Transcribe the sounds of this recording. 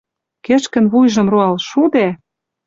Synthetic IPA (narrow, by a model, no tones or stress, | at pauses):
keʃkə̆nβujʒɤ̆mroɑlʃud̪e